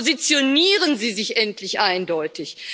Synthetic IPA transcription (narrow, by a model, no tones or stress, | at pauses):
zit͡sjoniːʁənziːzɪçʔɛntʰlɪçʔaɪndɔʏtɪç